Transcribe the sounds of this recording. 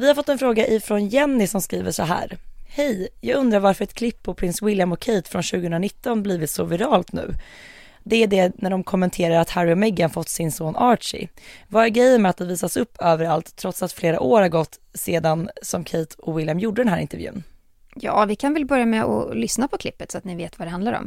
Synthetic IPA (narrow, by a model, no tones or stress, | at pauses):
vɪhaɾfɔt̪ːɛnfɾoːɡaʔɪfɾɔnjɛnːɪsɔmskɾiːvəʂɔɦæ̰ːɾhɛjjɑːɡɵnd̪ɾaɾvaɾfəɾɛt̪̚kʰlɪpʰːɔpʰɾɪnswɪljamɔkʰɛjt̪fɾɔnɕʉ̟ːɡəhɵnɾanɪt̪ːɔnbliːvɪt̪sɔvɪɾɑːlt̪nʉ̟̰ː | d̪ɛæɖɛnæɖɔmkʰɔmːɛnt̪ʰeːɾaɾat̪hæɾːɪɔmɛɡːanfɔt̪ːsɪnsoːnʔɑːʂɪ̰vaɛɡɾɛjːəmɛat̪d̪ɛviːsasɵpːøːvəɾalt̪ʰːɾɔt̪sat̪fleːɾa̰ʔoːɾhaɾɡɔt̪ːseːd̪ansɔmkʰeːt̪ʰɔvɪljamjuɖəd̪ɛnæːɾɪ̰nt̪ɛɾvjʉ̰ːn | jɑ̰ːvɪkʰanvɛlbœɾjamɛɔ̰lʏsnapʰɔkʰlɪpːət̪sɔat̪nɪveːt̪vad̪ɛhand̪laɾɔ̰m